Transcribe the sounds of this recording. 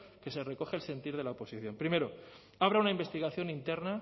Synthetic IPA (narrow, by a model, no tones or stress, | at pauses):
ke̞se̞re̞ko̞xelse̞nt̪iɾð̞e̞laopo̞siθjo̞mpɾime̞ɾo̞ | aβ̞ɾaunaimbe̞st̪iɣ̞aθjo̞nint̪e̞ɾna